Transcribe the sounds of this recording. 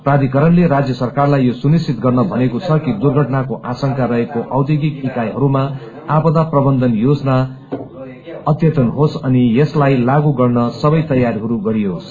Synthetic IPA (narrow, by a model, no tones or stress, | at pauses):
prad̪ʱikʌɾʌnleɾad͡zjʌsʌrkarlajːosunist͡ʃit̪ɡʌrnʌbʱʌnekot͡sʰʌkid̪urɡʱʌʈnakoʔasʌŋkaɾʌɦekoʔʌwd̪jiɡik̚ikajɦʌɾuma | abʌd̪aprʌbʌnd̪ʌnjod͡zna | ʌt̪jʌt̪ʌnɦosʌnijeslajlaɡuɡʌrnʌsʌβʌjt̪ʌjaɾɦʌɾuɡʌɾiɦos